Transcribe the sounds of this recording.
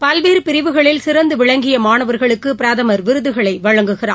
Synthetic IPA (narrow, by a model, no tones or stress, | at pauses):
pɐlʋeːɾɯpɪɾɪʋɯɣɐɭɪlsɪɾɐnd̪ɯʋɪɭɐŋɡɪjɐmaːnɐʋɐɾɣɐɭɯkːɯpɪɾaːðɐmɐɾʋɪɾɯðɯɣɐɭɐɪʋɐɻɐŋɡɯɣɪra̰ː